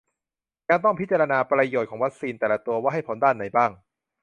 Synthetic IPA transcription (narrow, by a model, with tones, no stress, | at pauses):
kaː˧nt̪ɔ˥˩ŋpʰi˦˥t̪̚t͡ɕa˧ɾa˧naː˧pɾa˧joː˨˩t̪̚ʰɔː˩˦wa˦˥k̚siː˧nt̪ɛː˨˩la˦t̪u˧ɐwaː˥˩ɦa˥˩jpʰo˩˦ndaː˥˩nːa˨˩˦jbaː˥˩ŋ